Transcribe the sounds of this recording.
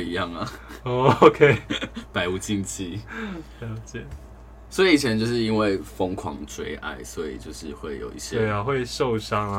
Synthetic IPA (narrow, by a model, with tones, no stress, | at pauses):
i˧jɑ˥˩ŋa˨˩o˥˧o˧˦kʰe˥ɪpa˧˥ɪu˨˩t͡ɕi˥˧nt͡ɕʰi˥ljɑ˨˧˥ʊt͡ɕjɛ˨˩˦ | swɔ˧˥i˨i˨˩t͡ɕʰjɛ˧˦nt͡ɕjo˥˧ʊʂɻ̩˥˩i˥nwe˥˩ɪfo˥ŋkʰwɑ̰˧˥ŋt͡swe˥ɪʔa̰˥˩ɪswɔ˧˦˥ḭ˨˩t͡ɕjo˥˧ʊʂɻ̩˥˧xwe˥˩ɪjo̰˨˩ʊḭ˥˩ɕjɛ˦e˥˩ɪa˨˩xwe˥˧ɪʂo˥˨ʊʂɑ˥ŋ